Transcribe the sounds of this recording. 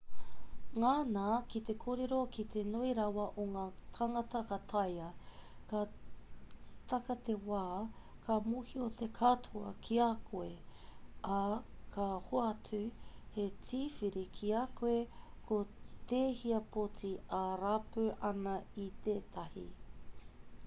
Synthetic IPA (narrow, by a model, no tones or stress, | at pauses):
ŋaːnaːkit̪e̞kʰoːɾeɾokit̪ʰenoiɾɐwɐʔoŋaːt̪ʰɐŋɐt̪ɐkɐt̪ʰɐjɐka | t̪ɐkɐt̪ewaːkʰamuhiot̪ekʰatʰuɐ̰kʰiakʰoe | akʰahoɐtʉhet͡siːfiɾikʰiakoekʰot̪eːhiɐpʰot͡siaɾapøʔɐnɐit̪eːt̪ɐhḭ